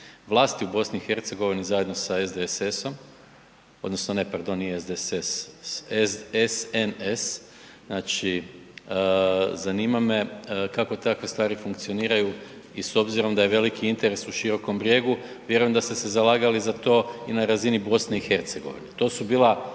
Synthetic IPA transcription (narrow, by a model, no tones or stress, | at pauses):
ʋlˠaːst̪iubo̞sniixe̞ɾt̪se̞ɡo̞ʋinizaje̞d̪no̞saezd̪eeseso̞m | o̞d̪no̞sno̞ne̞paɾd̪o̞niezd̪esesezesenes | naːt͡ʃi | zaniːmame̞kako̞t̪akʋest̪ʋaːɾifuŋkt̪sio̞niːɾaju | iso̞bziɾo̞md̪ajeʋe̞likiint̪e̞ɾe̞suʃiɾo̞ko̞mbɾje̞ːɡu | ʋje̞ɾujemd̪ast̪e̞sezalˠaːɡalizat̪o̞ːinaɾazinibo̞sneixe̞ɾt̪se̞ɡo̞̰ʋḭnet̪o̞ːsubiːla